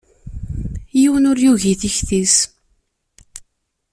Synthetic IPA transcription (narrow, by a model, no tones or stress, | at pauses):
jiwənʊɾjuʝiθiçθis